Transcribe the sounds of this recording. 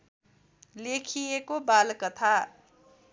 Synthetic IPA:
lekʰijekobalkʌt̪ʰa

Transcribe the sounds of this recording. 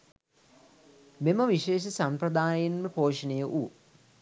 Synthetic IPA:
miməʋiʃeːʃəsamprɐd̪aːjinməpoːʂɐnejəʔuː

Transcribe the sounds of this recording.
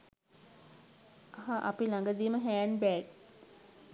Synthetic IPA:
ɐɦaʔapilaŋɡəd̪iːməɦæːnbæːʈ̚

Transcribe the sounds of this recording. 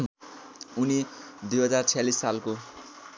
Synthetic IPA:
unid̪ujɦʌd͡zart͡sʰijalisːalko

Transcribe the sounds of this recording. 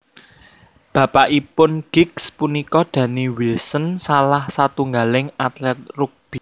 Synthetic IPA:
b̥ä̤paʔipʊnɡ̥ɪkspunikɔd̪̥ä̤niwilsənsalahsat̪uŋɡalɪŋat̪lɛt̪̚ruk̚b̥i

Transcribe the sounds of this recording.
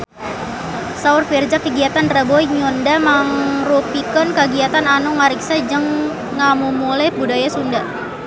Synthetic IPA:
saurfird͡ʒakəɡiat̪anrabɔiɲɔndamaŋrupikɔnkəɡiat̪ananuŋaɾiksad͡ʒəŋː | amumulɛbudajasunda

